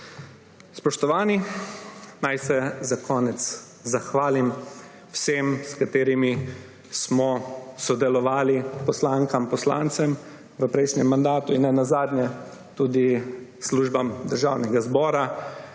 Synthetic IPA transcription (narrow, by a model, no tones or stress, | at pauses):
spɔʃt̪ɔʋaːni | najsɛzakʰɔːnɛt̪s | zaxʋaːlim | wsemskat̪eːɾimi | smɔsɔd̪ɛlɔʋaːlipɔslaːŋkampɔsla̰ːnt̪sɛm | ʋəpɾɛjʃnʲɛmːand̪aːt̪uinːɛnazaːd̪ɲjɛ | t̪ud̪isluːʒbamd̪əɾʒaːwnɛɡazbɔːɾa